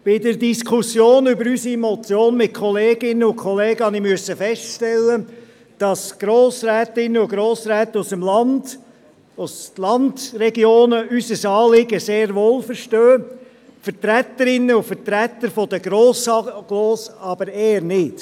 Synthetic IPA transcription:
b̥ɪdəɾdiskʰusjoːnybəɾysimɔt͡sjoːnmɪt̚kʰχɔleːɡɪnːəʊkʰχɔleːɡ̥əhɑnimyəsəfɛstʃtɛlːə | d̥ɑsɡ̥ɾoːsɾɛːt̪ɪnːəʊɡɾoːsɾɛːt̪əusəmlɑnd | uslɑndɾɛɡjoːnəysəsɑːlɪɡəseːɾʋoːlfəɾʃtøː | fəɾtɾæt̪əɾɪnːəʊfəɾtɾæt̪ːəɾfɔd̥əɡɾoːsɑɡ̥loːsɑb̥əɾeːəɾnɪt

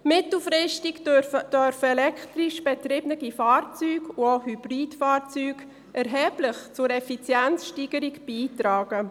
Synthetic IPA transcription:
mɪtl̩fɾɪʃtikøəd̥œɾfəɛlɛktriʃb̥ɛtɾɪbnəɡifaːrt͡syːɡuohyb̥riːtfaːɾt͡syːɡ | ʔɛɾɦɛːb̥lɪχt͡sʊɾɛfit͡sjɛnt͡sʃtiːɡəɾikb̥iːtɾaːɡ̥ə

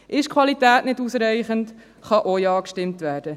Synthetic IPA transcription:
ʔɪʃkʰχʋɑlitæːtnɪdusɾɛjɪχənt | χɑʔojɑːkʃtɪmtʋæːɾd̥ə

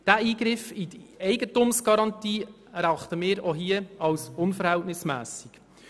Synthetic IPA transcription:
d̥æʔiːɡɾɪfidɛɪɡətʊmsɡ̥ɑɾɑntiː | æɾɑχt̪əmɪːɾoɦiəɑlsʊnfəɾhɛltnɪsmæːsik

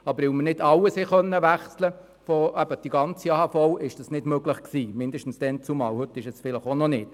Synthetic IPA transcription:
ɑbəɾɪwmənɪdɑwəshɛχœnːəʋæχslə | fɔæb̥əd̥iɡɑnt͡siɑːhɑːfɔwʔɪʃd̥ɑsnɪdmøɡləχksiːmɪnd̪əʃtən̩sd̥ɛnt͡sumɑ̰ːwhɵt̪ːɪʃɛsfɪləχonɔnɪt

